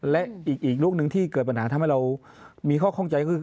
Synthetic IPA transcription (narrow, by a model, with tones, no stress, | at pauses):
lɛ˦˥ʔʔiː˨˩k̚ʔiː˨˩k̚lu˥˩ək̚nɯ˧ŋt̪ʰiː˥˩kɤː˨˩t̪̚pa˧nhaː˩˦a˧mɦa˥˩jɾa˧w | miː˧kʰɔː˥˩kʰːŋt͡ɕa˧jkɔ˥˩ɯː˧˩